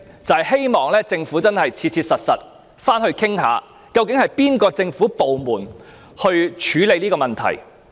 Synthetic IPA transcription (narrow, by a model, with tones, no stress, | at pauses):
t͡sɐ˨hjhe˥jmɔː˨ŋlɛː˥t͡sɪ˧ŋfuː˨˥t͡sɐ˥nhɐ˨jt͡sʰiː˧t̚t͡sʰiː˧t̚sɐ˨t̚sɐ˨t̚ | faː˥nhɵ˧ɥkʰɪ˥ŋɦa̰ː˨˧ | kɐ˧wkɪ˨˥ŋhɐ˨jpiː˥nkɔː˧t͡sɪ˧ŋfuː˨˥po˨wmuː˨˩n | hɵ˧ɥt͡ʃʰyː˨˥le˨˧jniː˥kɔː˧mɐ˨nt̪ʰɐ̰˨˩j